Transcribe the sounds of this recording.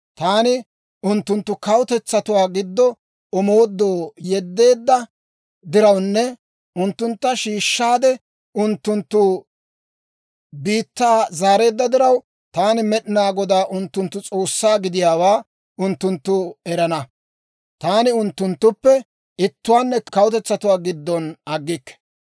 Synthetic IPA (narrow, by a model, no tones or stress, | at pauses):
t̪aːnɪ | ʊnt̪ːʊnt̪ːʊkɐwt̪ɛt͡sːɐt̪ʊwaːɡɪd̪ːɔ | ɔmo̞ːd̪ːoːjɛd̪ːe̞ːd̪ːɐ | d̪ɪɾɐwnːɛ | ʊnt̪ːʊnt̪ːɐʃiːʃːaːd̪ɛ | ʊnt̪ːʊnt̪ːʊ | biːt̪ːaːzaːɾe̞ːd̪ːɐd̪ɪɾɐw | t̪aːnɪmɛɗɪnaːɡɔd̪aːʔʊnt̪ːʊnt̪ːʊt͡sʼo̞ːsːaːɡɪd̪ɪjaːwaː | ʔʊnt̪ːʊnt̪ːʊɛɾɐnɐ | t̪aːnɪʊnt̪ːʊnt̪ːʊpːɛ | ɪt̪ːʊwaːnːɛkɐwʊt̪ɛt͡sːɐt̪ʊwaːɡɪd̪ːɔnɐɡːɪkːɛ̥